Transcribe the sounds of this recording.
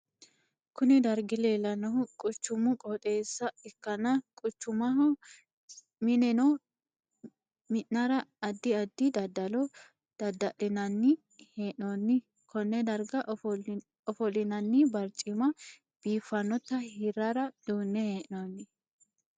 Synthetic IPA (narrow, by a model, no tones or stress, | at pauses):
kʊnɪd̪ɐɾɡɪleːlɐnɔʊkʼʊt͡ʃːʊmʊkʼɔt̪ʼeːsːɐɪkːɐnɐkʼʊt͡ʃːʊmɐɦɔ | mɪnɛnɔ | mɪʔnɐɾɐːd̪ːɪɐd̪ːɪd̪ɐd̪ːɐlɔ | d̪̥ɐd̪ɐʔɪnɐnːɪ | heːʔnonːɪ | kɔnːɛd̪ɐɾɡɐʔ | ɔfɔlɪnɐnːɪbɐɾt͡ʃʼːɪmɐ | b̥iːfːɐnːɔt̪ːɐhɪɾaɾɐd̪̥uːnːɛheːʔnonːɪ